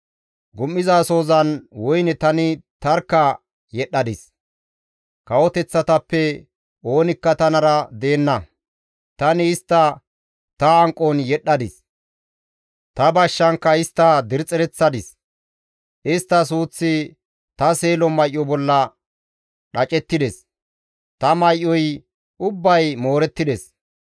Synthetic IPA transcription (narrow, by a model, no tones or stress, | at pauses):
ɡʊmːɪzaːso̞ːzɐnwɔjnɛt̪ɐnɪt̪ɐɾkːɐ | jɛɗɐd̪ɪs | kɐwɔt̪ɛt͡sːɐt̪ɐpːɛ | o̞ːnɪkːɐt̪ɐnɐɾɐd̪e̞ːnːɐ | t̪ɐnɪːst̪ːɐ | t̪ɐːŋkʼɔnjɛɗːɐd̪ɪs | t̪ɐbɐʃːɐŋkːɐɪst̪ːɐd̪ɪɾt͡sʼɛɾɛt͡sːɐd̪ɪs | ʔɪst̪ːɐs̬uːt͡sːɪ | t̪ɐse̞ːlɔmɐjʔːɔbɔlːɐ | ɗɐt͡ʃʼɛt̪ːɪd̪ɛs | t̪ɐmɐjʔːɔj | ʊbːɐjmo̞ːɾɛt̪ːɪd̪ɛs